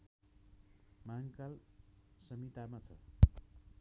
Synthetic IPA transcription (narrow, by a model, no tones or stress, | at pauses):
maŋkalsʌmit̪amat͡sʰʌ